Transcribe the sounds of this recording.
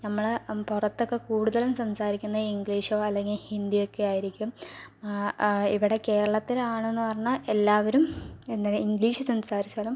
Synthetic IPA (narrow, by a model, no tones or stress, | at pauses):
nɐmːɐɭpurɐt̪ːo̞kːe̞kuːɽuðɐlumsɐmsaːɾikʲːunːɐiŋɡɭiːʂoːɐlːe̞ŋɡilhind̪ijo̞kːe̞jaːjiɾikʲːum | iʋiɽe̞ke̞ːɾɐɭɐt̪ːilaːɳenːɨpɐrɐɲːɐelːaːʋɐɾumenːɐɾiŋɡliːʂɨsɐmsaːɾit͡ɕːaːlum